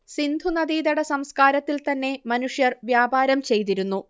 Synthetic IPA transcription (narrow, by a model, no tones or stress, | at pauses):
sind̪ʱunɐd̪iːd̪ɐɽɐsɐmskaːɾɐt̪ːilt̪ɐnːe̞mɐnuʂjɐrʋjaːbaːɾɐmt͡ɕe̞jt̪iɾunːu